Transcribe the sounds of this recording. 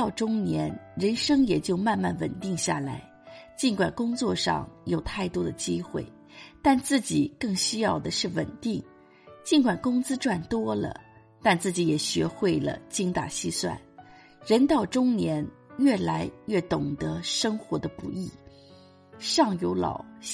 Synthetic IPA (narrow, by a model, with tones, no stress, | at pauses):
ʊʈ͡ʂʊ˥ŋnjɛ˧˥nɻə˧˥nʂɤ˥ŋjɛ˨˩t͡ɕjo˥˧ʊma˥˧nma̰˥˩nwə̰˨˩nt̪i˥˧ŋɕja̰˥˩la˧˥ɪ | t͡ɕi˥˩nkwa˨˩nkʊ˥ŋt͡swɔ˥˧ʂɑ̰˥˧ŋjo˨˩ʊt̪ʰa˥˩ɪt̪wɔ˥d̪ə˨t͡ɕi˥xwḛ˥˩ɪ | t̪a˥˧nt͡sɹ̩˥˩t͡ɕi˨˩kɤ˥˩ŋɕy˥jɑ˥˩ʊd̪ə˩ʂɻ̩˥˩wə̰˨˩nt̪i˥˩ŋ | t͡ɕi˥˩nkwa˨˩nkʊ˥ŋt͡sɹ̩˥ʈ͡ʂwa˥˩nt̪wɔ˥lə̰˩ | t̪a˥˧nt͡sɹ̩˥˩t͡ɕi˧˥jɛ˨˩ɕɥɛ˧˥xwe˥˩ɪlə̰˩t͡ɕi˥ŋt̪a̰˨˩ɕi˥˧swa̰˥˩n | ɻə˧˥nt̪ɑ˥˩ʊʈ͡ʂʊ˥ŋnjɛ˧˥n | ɥɛ˥˩la˧˥ɪɥɛ˥˩t̪ʊ˨˩ŋt̪ə˧˥ʂɤ˥ŋxwɔ˧˥d̪ə˧pṵ˧˥i˥˩ | ʂɑ˥˩ŋjo˧˥ʊlɑ̰˨˩ʊ